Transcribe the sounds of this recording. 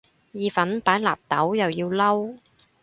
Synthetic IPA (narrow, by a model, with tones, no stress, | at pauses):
jiː˨fɐ˨˥npaː˨˥jlaː˨˩p̚t̪ɐ˨˥wjɐ˨wjiː˧wlɐ˥w